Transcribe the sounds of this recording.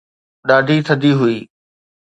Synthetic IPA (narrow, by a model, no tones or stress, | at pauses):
ɗaːɖʱit̪ʰəd̪ʱiɦʊiː